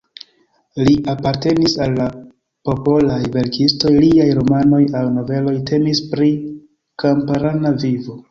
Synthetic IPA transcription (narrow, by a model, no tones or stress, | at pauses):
liʔapaɾte̞nisalːa | po̞po̞lajve̞ɾkʰisto̞jliajɾo̞mano̞jawno̞ve̞lo̞jtʰe̞mispɾi | kampaɾanavivo̞